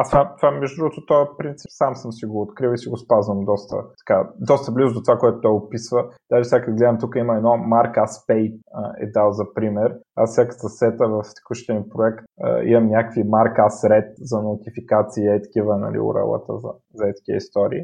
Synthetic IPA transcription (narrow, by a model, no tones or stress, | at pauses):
asamt̪ovamɛʒʊd̪ɾuɡʊt̪ot̪ɔpɾint̪si̥psamsəmsiɡoːt̪kɾilˠisiɡospazvəmd̪ɔst̪ə̰t̪ɐ̥kad̪ɔst̪əblizʊd̪ot̪ovakoɛt̪o̥t̪ɔjopisvəd̪̥aʒifsʲjakəɡlɛd̪əmt̪ukəiməɛd̪nɔmaɾkaspɛjəɛ̰d̪alˠzɐpɾimɛɾa̰sfsʲakə̥səsɛt̪əvɐft̪kəʃt̪ɛnpɾoɛkt̪ə̰ḭmɐmnʲakvimaɾkasɾɛt̪̚zɐnot̪ifikat̪siːəit̪ɐ̥k̟ivənɐ̰lḭʊ̰ɾɛ̰lˠə̰t̪ə̰zɐ̰ | zɐɛt̪ɐ̥k̟iə̰ist̪ɔɾḭː